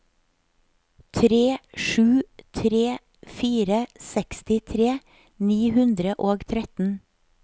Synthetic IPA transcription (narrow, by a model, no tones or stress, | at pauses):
t̪ʰɾeːʃʉːt̪ʰɾeː | fiːɾəsɛkst̪ɪt̪ʰɾeː | niːhʉnd̪ɾəʔoːɡt̪ʰɾɛt̪n̩